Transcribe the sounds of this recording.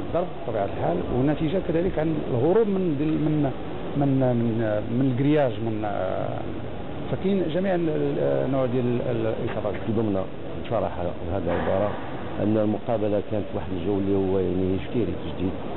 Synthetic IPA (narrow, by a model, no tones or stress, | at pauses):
d̪ɑɾˤbfit̪ˤːɑbiʕat̪əlħalwənːæt̪iʒakæd̪æləkʕanəlɣoɾubmənd̪lmən | mənmənmənəlɡɾjæʒmən̰ | fækinʒæmiʕnːʊʕd̪jæləlʔəxɑɾˤɑd̪fd̪əmna̰ | nfɑɾˤɑħ | hæd̪əlʕəbɑɾˤɑ | ʔə̰nːælmʊqɑbəlakænət̪waħəd̪əlʒəwːlːihʊwːæjaʕnihiʃk̪iɾit̪əʒd̪id̪